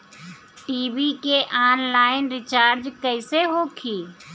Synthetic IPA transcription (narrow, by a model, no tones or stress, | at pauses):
ʈiːbikeʔaːnlaːɪnɾɪt͡ʃaːɾd͡ʒkəɪseɦoːkʰiː